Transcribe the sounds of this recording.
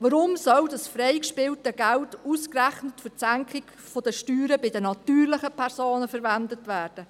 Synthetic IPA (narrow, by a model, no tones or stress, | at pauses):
ʋəɾʊmsœldɑsfreɪkʃpɪltəɡæltuskræχnətfʏsæŋkχɪɡ̥ | fɔd̥əʃtyːɾəbɪdənɑtyːrlɪχəpʰɛɾsoːnəfəɾvændətvæːɾd̥ə